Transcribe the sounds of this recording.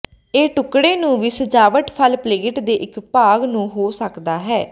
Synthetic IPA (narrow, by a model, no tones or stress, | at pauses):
eːʈʊkɽeːnũːʋɪsəd͡ʒaːʋəʈpʰəlpleːʈd̪eːʔɪkpaːɡnũːɦoːsəkd̪aːɦɛː